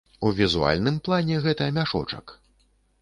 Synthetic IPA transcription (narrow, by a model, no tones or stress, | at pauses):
uvʲizua̰lʲnɨmplˠanʲɛɣɛt̪ɐɐmʲaʂɔ̰t͡ʂɐ̰k